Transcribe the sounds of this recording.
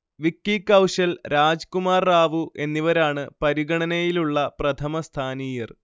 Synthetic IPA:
ʋikːikːɐwʂɐlɾaːd͡ʑkumaːrːaːʋuʔe̞nːiʋɐɾaːɳɨpɐɾiɣɐɳɐnɐjiluɭːɐprɐt̪ʰɐmɐst̪ʰaːniːjɐr

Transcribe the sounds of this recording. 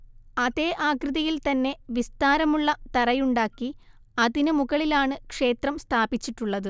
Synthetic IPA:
ɐðe̞ːʔaːkrɨðɐjilt̪ɐnːe̞ʋist̪aːɾɐmuɭːɐt̪ɐɾɐjuɳɖaːkːi | ɐðinɨmuɣɐɭilaːɳɨkʂe̞ːt̪rɐmst̪ʰaːbit͡ɕːiʈːuɭːɐðɨ

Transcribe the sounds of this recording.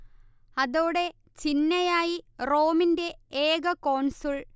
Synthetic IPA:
ɐðoːɽe̞ | t͡ɕinːɐjaːjiro̞ːminde̞eːɡɐkoːɳsoɭ

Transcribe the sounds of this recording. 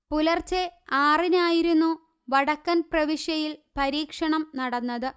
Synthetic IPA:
pulɐrt͡ɕeaːrinaːjiɾunːu | ʋɐɽɐkːɐnprɐʋiʂjɐjilpɐɾiːkʂɐɳɐmnɐɽɐnːɐðɨ

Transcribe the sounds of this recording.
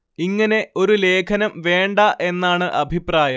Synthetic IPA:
iŋːɐne̞ʔo̞ɾule̞ːkʰɐnɐmʋe̞ːɳɖɐʔe̞nːaːɳɨʔɐbʱipraːjɐm

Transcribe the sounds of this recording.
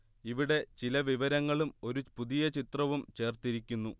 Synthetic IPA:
iʋiɽe̞t͡ɕilɐʋiʋɐɾɐŋːɐɭumo̞ɾupuðijɐt͡ɕit̪rɐʋumt͡ɕe̞ːrt̪iɾikʲːunːu

